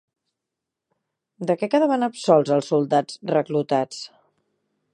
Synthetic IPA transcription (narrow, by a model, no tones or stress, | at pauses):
d̪əkɛkaðəβanəpsɔlˠzəlˠsːulˠd̪ad͡zrəklut̪at͡s